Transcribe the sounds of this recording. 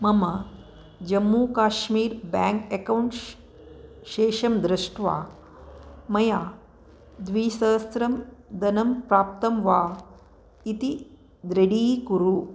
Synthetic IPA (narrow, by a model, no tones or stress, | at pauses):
mɐma | d͡ʒɐmːuːkaːʃmiːɾbaːŋkekawɳʈ | ʃeːʃɐmd̪ɾiʂʈʰʋa̰ː | mɐjaː | d̪ʋiːsɐsɾɐmd̪ɐnɐmpɾaːp̚t̪ɐmʋaː | it̪i | d̪ɾeɽiːkuɾu